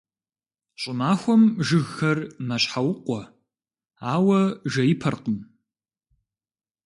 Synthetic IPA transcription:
ɕʼɪmaːxʷɔmʒɨɣxɐrmɐɕħawʊqʷɔ | aːwɐʒɐjɪpʰɐrqəm

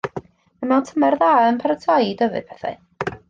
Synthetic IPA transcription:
amantʰəmɛrðaənpʰɛɾətʰajdəvɨ̰d̥̚pʰɛθa̰

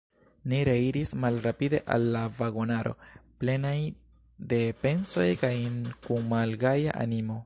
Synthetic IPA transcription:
niɾe̞iɾismalɾapide̞ʔa̰lːavaɡo̞naɾo̞̰ple̞naj | de̞pe̞nso̞jkajnkumalɡaja̰ʔa̰nimo̞

